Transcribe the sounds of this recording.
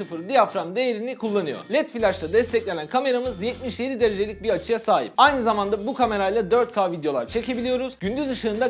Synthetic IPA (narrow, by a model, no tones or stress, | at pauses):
ɯfɯɾd̪ijafɾamd̪e̞jeɾinikʰulˠːanɯjo̰lʲɛt̪filʲat͡ʃlˠad̪ɛst̪ʰɛclʲe̞nʲænkʰame̞ɾamɯzjɛt̪̚miʃjed̪id̪e̞ɾe̞d͡ʒe̞lʲicbiɾat͡ʃʰɯjasaːɦḭp̚ajnɯzamand̪abukʰame̞ɾajlˠad̪ø̞ɾt̪̚kʰaːvid̪jo̞lˠa̰ɾt͡ʃʰe̞cʰe̞bilʲijo̞ɾuzɟynd̪yzɯʃɯːnd̪a